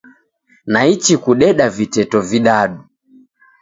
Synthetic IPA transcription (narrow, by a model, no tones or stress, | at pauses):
nait͡ʃikuɗɛɗavitɛtɔviɗaɗu